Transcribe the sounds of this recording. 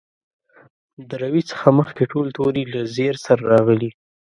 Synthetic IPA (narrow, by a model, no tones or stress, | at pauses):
d̪əɾawit͡sə̥xaməxkeʈolt̪oɾilazeɾsaɾaɾɑɣəli